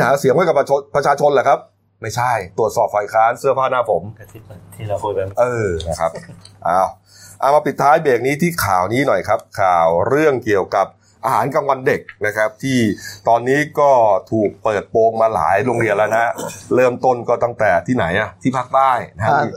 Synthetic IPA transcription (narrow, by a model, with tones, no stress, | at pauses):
ɦaː˩˦si˨˦hwjka˨˩pa˧t͡ɕʰo˧npɾa˧t͡ɕʰaː˧t͡ɕʰo˧nlɛː˨˩kʰa˦˥p̚ | ma˥˩jt͡ɕʰa˥˩jt̪u˨˩ət̪̚sɔː˨˩p̚faː˨˩jkʰaː˦˥nsɯ˥˩əpʰaː˥˩na˦˥˩pʰo˩˦m˧ | ʔɤː˧a˥˩kʰa˦˥p̚ʔaː˧˩w | ʔaː˨˩wmaː˧pi˨˩t̪ʰːaː˦˥jbeː˨˩k̚niː˦˥t̪ʰiː˥˩kʰaː˨˩wniː˦˥nɔ˨˩jkʰa˦˥p̚kʰaː˨˩wɾɯ˥˩əŋki˨˩əwka˨˩p̚ | ʔaː˧ɦaː˩˦nka˧ŋwa˧nde˨˩k̚na˦˥kʰa˦˥p̚t̪ʰiː˥˩t̪ɔː˧nːiː˦˥kɔː˥˩t̪ʰuː˨˩k̚pɤː˨˩t̪̚poː˧ŋmaː˧la̰ː˩˦jɾo˧ŋɾi˧ənlɛ˧˦˥wna˦˥lɤː˥˩mt̪o˥˩nkɔː˥˩t̪a˥˩ŋt̪ɛː˨˩t̪ʰiː˥˩na˩˦jʔa˨˩t̪ʰiː˥˩pʰaː˥˩k̚t̪aː˥˩jna˦˥˦